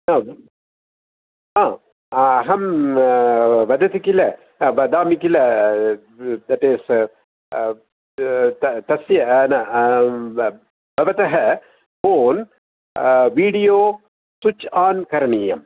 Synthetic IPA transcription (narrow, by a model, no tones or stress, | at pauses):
nɐ | aː | ɦɐm | ʋɐd̪ɐt̪ikilɐ | ʋɐd̪aːmikilɐ | d̪ɐʈeːs | t̪ɐt̪ɐsjɐnɐ | bɐʋɐt̪ɐɦɐ | foːn | ʋiːɖijoː | sut͡ʃaːnkɐɾɐnijɐm